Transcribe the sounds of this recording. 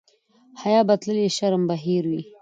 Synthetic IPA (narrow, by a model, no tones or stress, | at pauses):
hajɑːbat̪ləliʃaɾmbaɦiɾwi